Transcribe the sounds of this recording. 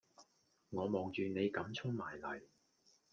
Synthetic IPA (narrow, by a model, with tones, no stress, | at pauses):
ŋɔː˨˧mɔː˨ŋt͡ʃyː˨˧ne˨˧jkɐ˨˥mt͡sʰʊ˥ŋmaː˨˩jlɐ̰˨˩j